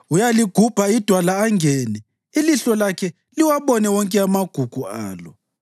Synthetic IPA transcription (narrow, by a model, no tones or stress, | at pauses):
ujaliɡ̥ʱub̥ʱaid̥ʱwalaːŋʱɛːnɛ | iliɬɔlakʰɛ | liwaβɔnɛwɔŋkʼɛamaɡ̥ʱuɡ̥ʱua̰ːlɔ